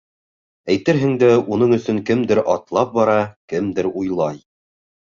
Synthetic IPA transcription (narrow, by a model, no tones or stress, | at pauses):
æjt̪ɘɾɦɘ̆ŋd̪æun̪ɤɴɵ̆sɵŋkɘmd̪ɘɾʔɑt̪lˠɑp̚bɑɾɑkɘmd̪ɘɾujlˠɑj